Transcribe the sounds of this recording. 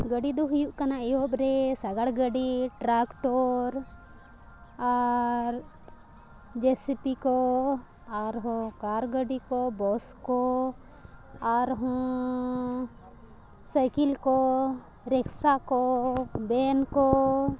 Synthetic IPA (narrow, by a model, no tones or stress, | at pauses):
ɡəɖid̪uɦʊjuʔkanajobɾesaɡaɽɡəɖiʈɾakʈɔɾ | aɾ | d͡ʒesipiko | aɾɦɔ̃kaɾɡəɖikobɔsko | aɾɦɔ̃ | səjkilko | ɾɛkʰsakobɛnko